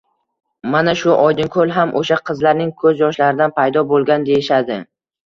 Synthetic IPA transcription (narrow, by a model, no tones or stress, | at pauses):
manaʃʊʔɒjd̪ɪnkʰɵlˠɦamʔoʃaqʰɨzlaɾnɪŋkʰɵzjɒʃlaɾɪd̪anpʰajd̪ɒbolˠɡʲand̪e̞jɪʃad̪ɪ